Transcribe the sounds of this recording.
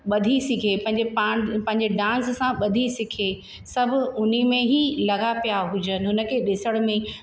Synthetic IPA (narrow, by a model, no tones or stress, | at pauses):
ɓɐd̪ʱisɪkʰepɐ̃ɦɪ̃ɲd͡ʑepaːɽ̃pɐ̃ɦɪ̃ɲ̆d͡ʑeɖãːssãɓɐd̪ʱisɪkʰe | sɐbʱʊ̆ʊn̤imẽɦilɐɡapijaɦʊd͡ʑənɪ̆ɦʊnə̆kʰeɗɪsəɽ̃mẽ